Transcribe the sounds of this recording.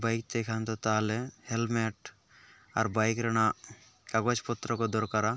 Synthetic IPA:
bajk̚t̪ejkʰant̪ɔt̪aːlehelmeʈ | a̰ɾbajkɾeña | kaɡot͡ʃpɔt̪ːɾɔkɔd̪ɔɾkaɾa

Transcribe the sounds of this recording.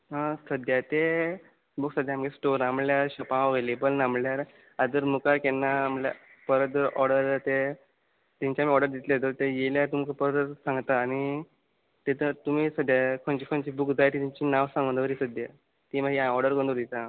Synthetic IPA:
ɦãsəd̪jat̪e | buksəd̪ʱjamkesʈoɾamljaɾɕəpaʋelebəlnamljaɾ | ad͡z̪əɾmukakɛnːamla̰ | pəɾət̪̚d̪əɾʔɔɽɖəɾd͡zat̪e | t̪ĩɲt͡ɕamiːɔɾɖəɾd̪it̪liad͡z̪əɾt̪ejeljat̪umkapəɾdəɾsãŋɡt̪aːñi | t̪et̪ət̪um̤iːsəd̪jakʰoɳt͡ɕiːkʰoɳt͡ɕiːbukd͡zajt̪it̪ĩɲt͡ɕiːnaʋsãmɡənd̪əʋəɾiːsəd̪ja | t̪imaɦiaɔɾɖəɾkənd̪uɾd̪it̪a

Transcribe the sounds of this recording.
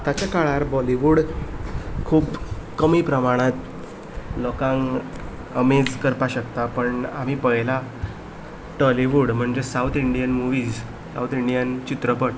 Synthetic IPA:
t̪at͡ɕjakaɭaɾbɔliʋuɽ | kʰuːpkəmipɾəmaɽ̃ãt̪ | lɔkãŋ | əmed͡zkəɾpaɕəkt̪apəɳam̤ipəɦla | ʈəliʋuɽm̤əɳd͡zesawt̪ʰiɳɖijənmuʋiːd͡z | sa̰wt̪ʰiɳɖijənt͡ɕit̪ɾəpəʈ

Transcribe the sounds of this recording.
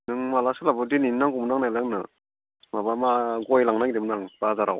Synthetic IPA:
nɯŋmalasɯlabɯdininnaŋɡumnaŋnajlaŋnɯ̰ | mabamaɡɔjlaŋnaŋdimnaŋb̥azaɾaw

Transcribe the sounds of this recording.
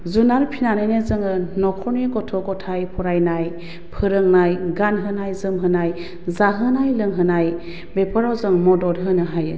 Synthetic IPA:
zunaɾpʰinanajnezɯŋɯnɔkʰɔniɡɔtʰɔɡɔtʰajpʰɔɾajnaj | pʰɯɾɯŋnajɡanɦɯnajzɯmɦɯnaj | zaɦɯnajlɯŋɦɯnaj | bepʰɯɾawzɯŋmɔdɔɾɦɯnɯɦajɯ̰

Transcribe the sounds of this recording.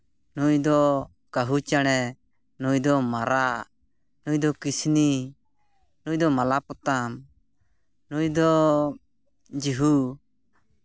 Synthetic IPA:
nujd̪ɔ | kaɦut͡ʃaɽ̃ɛ | nujd̪ɔmaɾa | nujd̪ɔkisni | nujd̪ɔmalapɔt̪am | nujd̪ɔ | d͡ʒiɦu

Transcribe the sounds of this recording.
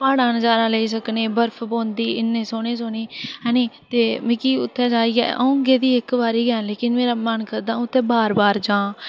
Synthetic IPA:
paːɽaːnəd͡ʒaːɾãːleːis̬əkneːbəɾpʰbõːnd̪iːɪnːẽːsoːɽeːsoːniːɦɛ̃ːniːt̪eːmɪːkiːʊ̰t̪ʰːɛ̃ːd͡ʒaːiːɛ̰ːʔə̰ũːɡeːd̪iːɪkbaːɾiːɡɛːleːkɪnmeːɾaːmənkəɾd̪ãːʊt̪ʰːẽːbaːɾbaːɾd͡ʒãː

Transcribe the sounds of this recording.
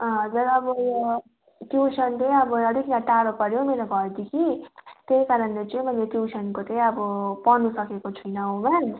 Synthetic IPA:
ʌd͡zʌɾʌbʌjo | ʈjuwsʌnt̪ʌj̃ʌbʌʌɽʱiknaʈaɾopʌɾjomelaɡʱʌɾd̪ikʰit̪ejkaɾʌnlet͡sʌĩmʌjleʈjuwsʌnkot̪ʌ̃j̃ʌbʌpʌnusʌkekot͡sʰujnʌɦõman

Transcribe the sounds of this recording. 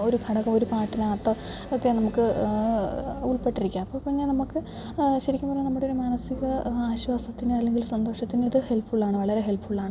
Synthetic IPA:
o̞ɾuɡʱɐɽɐkːɐmo̞ɾupaːʈːinaːt̪ːɐ | okːe̞nɐmukːɨ | uɭpe̞ʈːiɾikʲːaːmɐpːoːpːoɲannɐmukːɨ | ɕɐɾikʲːumpɐrɐɲːenɐmːuɽeoɾumaːnɐsiɣɐaːɕʋaːsɐt̪ːinɨɐlːe̞ŋɡilsɐnd̪o̞ːʂɐt̪ːiniðɨhe̞lpːuɭːaːɳɨʋɐɭɐɾe̞ɦe̞lpuɭːaːɳɨ

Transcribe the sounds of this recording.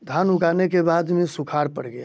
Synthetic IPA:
d̪ʱanʊɡanekebad̪mesukʰaɾpəɽɡəja̰

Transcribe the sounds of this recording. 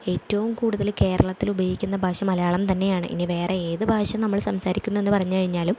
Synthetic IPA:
e̞ːtːɐʋumkuːɽuðɐlke̞ːɾɐɭɐt̪ːilubɐjikʲːunːɐbʱaːʂɐmɐlɐjaːɭɐmt̪ɐnːe̞jaːɳɨ̰ʔḭniʋe̞ːre̞eːðɨbʱaːʂɐmnɐmːɐɭsɐmsaːɾikʲːunːue̞nːɨpɐrɐɲːɨkɐɻiɲːaːlum

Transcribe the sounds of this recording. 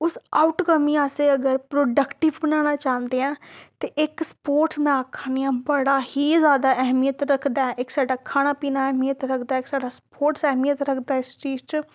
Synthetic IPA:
ʊsaːʊʈkəmĩːaːseːəɡəɾpɾoːɖəkʈɪʋbənaːñaːt͡ʃãːnd̪eːɛ̃ːt̪eːʔɪkspoːɾʈsmɛ̃akʰːaːniãːbəɽaːhiːzjaːd̪aːʔɛɦmijət̪ɾəkʰd̪aːɛʔɪksaːɖaːkʰaːɽ̃aːpiːnaːɛɦmijət̪ɾəkʰd̪aːɪksaːɖaːspoːɾʈsɛɦmijət̪ɾəkʰd̪aːɪst͡ʃiːst͡ʃ

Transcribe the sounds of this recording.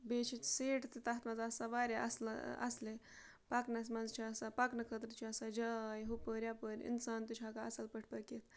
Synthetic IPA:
bet͡ʃʰit̪seːʈʰt̪it̪ɐɦt̪mɐnzɐsɐʋaːɾʲeɐ̰sl̰ɐ̰sle | pɐknɐs̬mɐnzt͡ʃʰiɐsapɐknɐkʰət̪ɾt͡ʃʰiɐsad͡ʒaːjɦupəɾʲjapəɾʲḭnsaːnt̪ɨt͡ʃʰaːkaɐ̰sɐlpəʈʰpɐkit̪ʰ

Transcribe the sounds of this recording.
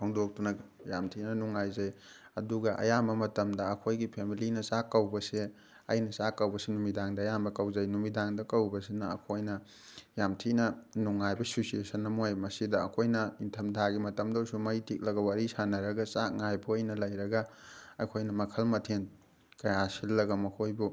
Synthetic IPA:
pʰɐŋdok̚tunɐɡjamtʰinɐnuŋajzɐj | ɐduɡɐʔɐ̰jambɐmɐtɐmdɐːkʰojɡipʰemilinɐsakːɐwbɐse | ɐ̰jnɐsakːɐwbɐsenumidaŋdɐːjambɐkɐwzɐjnumidaŋdɐkɐwbɐsinɐːkʰojnɐ | jamtʰinɐnuŋːajbɐsosiesɐnɐmojmɐsidɐːkʰojnɐintʰɐmdʱaɡimɐtɐmdɐwsumɐjtʰik̚lɐɡɐwaɾisanɐɾɐɡɐsaŋajbʰuɐjnɐlɐjɾɐɡɐɐkʰojnɐmɐkʰɐlmɐtʰen | kɐjasilːɐɡɐmɐkʰojbu

